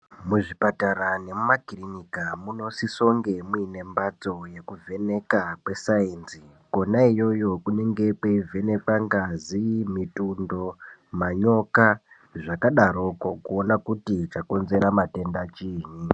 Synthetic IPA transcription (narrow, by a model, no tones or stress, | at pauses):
muʐipataɾane̞mumakirinikamuno̞siso̞ŋɡe̞muine̞mbat͡so̞je̞kuvʱe̞ne̞kakwe̞sainzi | ko̞naijo̞jo̞kune̞ŋɡe̞kweive̞ne̞kwaŋɡazimitundo̞maɲo̞ka | ʐakaɗaɾokokuonakutit͡ʃako̞nze̞ɾamate̞ndat͡ʃiːɲi